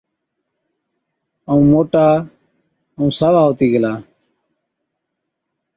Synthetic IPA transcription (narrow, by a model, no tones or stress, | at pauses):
əũːmoːʈaː | əũːsaːʋaːɦoːt̪iːɡəlaː